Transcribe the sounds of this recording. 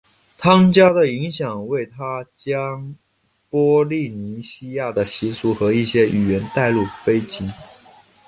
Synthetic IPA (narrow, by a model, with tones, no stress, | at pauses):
t̪ʰɑ˥ŋt͡ɕja˥d̪ə˨i˧˥ŋɕjɑ˨˩ŋwe˥˩ɪt̪ʰa˥t͡ɕjɑ˥ŋ | pwɔ˥li˥˩ni˧˥ɕi˥ja˥˩d̪ə˩ɕi˧˥su˧˥xɤ˧˥i˥˩ɕjɛ˥y˨˩ɥɛ˧˥nt̪a˥˧ɪlu˥˩fe˥ɪt͡ɕi˧˥